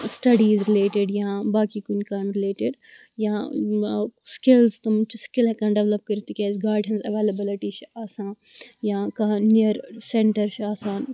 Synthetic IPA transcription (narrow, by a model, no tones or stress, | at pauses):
sʈɐɖizɾɪleːʈeɖjãːbaːkikunkaːɪmɾɪleːʈɪɖ | jã | skɪlzt̪ɐmt͡ʃʰskɪlɛkãnɖɛʋlɐp̚kɐɾit̪ikʲaːzɡaːɾɖɦɛ̃nzɐʋeːlɐbɪlɪʈit͡ʃʰaːsãː | jãːkaniəɾsẽɳʈɐɾt͡ʃʰaːsaːn